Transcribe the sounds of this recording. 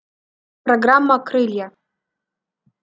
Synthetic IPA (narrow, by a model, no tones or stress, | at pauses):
proɡramːakʰrɨlʲja